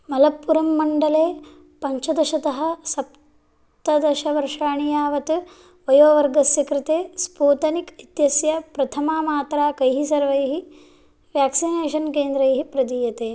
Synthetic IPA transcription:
mɐlɐpːuɾɐmːɐɳɖɐleː | pɐɲt͡ʃɐd̪ɐʃɐt̪ɐɦɐ̆sɐp | t̪ɐd̪ɐʃɐʋɐɾʂaːɳijaːʋɐt̪ | ʋɐjoːʋɐɾɡɐsjɐkɾɪt̪eːspuːt̪ɐnikit̪jɐsjɐpɾɐt̪ʰɐmaːmaːt̪ɾaːkɐjɦisɐɾʋɐjɦi | ʋjaːksineːʃɐnkeːnd̪ɾɐjɦipɾɐd̪iːjɐt̪eː

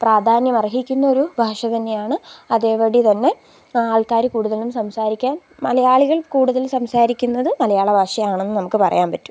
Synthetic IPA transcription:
praːd̪ʱaːnjɐmɐrɐɦikʲːunːɐo̞ɾubʱaːʂɐt̪ɐnːe̞jaːɳɨɐðeːʋɐɽit̪ɐnːe̞ | aːlkaːɾɐkuːɽuðɐllumsɐmsaːɾikʲːaːnmɐlɐjaːɭuɣɐɭkuːɽuðɐlsɐmsaːɾikʲːunːɐðɨmɐlɐjaːɭɐbʱaːʂɐjaːɳenːɨnɐmukːɨpɐrɐ̰jaːnpɐtːu̥

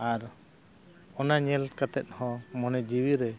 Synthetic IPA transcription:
aɾ | ɔnaɲɛlkat̪ɛt̪̚ˀhɔ̃mɔnɛd͡ʒiwiɾɛ

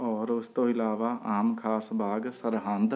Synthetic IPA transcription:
ɔːɾʊst̪oːɪlaːʋaʔaːmkʰaːsbʱaːɡsəɾɦãːnd̪

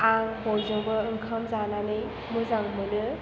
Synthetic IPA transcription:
aŋhojzoŋbɯɯŋkʰamzananɯj | mɯzaŋmɯnɯ

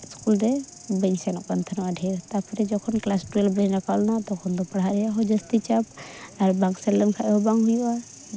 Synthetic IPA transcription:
skuld̪ɛ | bəɲsɛnɔkant̪ʰənwaɖʱɛɾt̪apʰɔɾɛd͡ʒɔkʰɔnklasʈɾəlbəɲɾakalnat̪ɔkʰɔnd̪ɔpɐɽɦaɾɛjaɦɔd͡ʒəst̪it͡ʃapaɾbaŋsɛləmkʰaʔɦɔbaŋɦujua

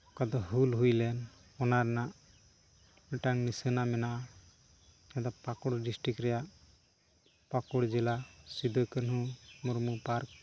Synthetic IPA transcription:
kad̪ɔɦulɦujlɛn | ɔnaɾnaʔ | mɛʈaŋnisənamɛnaʔa | ɛd̪ɔpakɔɽɖisʈɾikɾɛjaʔ | pakuɽd͡ʒilasid̪ʱɔkənɦũmuɾmupaɾk̚

